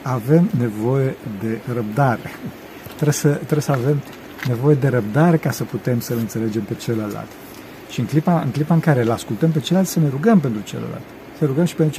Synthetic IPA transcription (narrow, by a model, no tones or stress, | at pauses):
ave̞mne̞vo̞je̞d̪e̞rəb̚d̪aɾe̞̰ | t̪ɾesət̪ɾebesəave̞m | ne̞vo̞je̞d̪e̞ɾəb̚d̪aɾe̞kasəput̪e̞msəlɨnt̪sele̞d͡ʒe̞mpe̞t͡ʃeləla̰lt̪ | ʃiɨŋklipaɨ̰ŋklipaɨŋkaɾe̞laskult̪əmp̬e̞t͡ʃelat̪səneɾuɡəmp̬ent̪ɾut͡ʃḛlə̰la̰lt̪ | səneɾuɡəmʃi̥pent̪ɾut͡ʃ